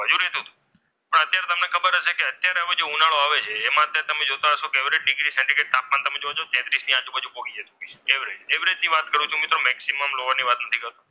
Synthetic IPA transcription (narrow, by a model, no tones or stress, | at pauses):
əd͡ʒuɾɦet̪ũt̪ũ̥ | pəɳət̪jaɾet̪əmnekʰəbəɾəʃʰekeət̪jaɾeəʋed͡ʒeunaɭoaʋet͡ʃʰeːmãət̪jaɾet̪əmed͡ʒot̪aəʃokeʋɾeʈ̚ɖɪɡɾisɛ̃ɳʈikeʈ̚t̪ap̚mant̪əmed͡ʒoad͡ʒot̪ɛ̃t̪ɾisniãd͡ʒũbəd͡ʒupokid͡ʒet̪ũkiskeʋɾed͡ʒeʋɾed͡ʒniʋat̪kəɾũt͡ʃʰũmɪt̪ɾomɛksiməmloʋaniʋat̪nət̪ʰikəɾt̪ũ